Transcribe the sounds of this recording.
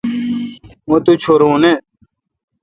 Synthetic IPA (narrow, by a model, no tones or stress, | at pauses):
õt̪ut͡ɕʰoɾõːne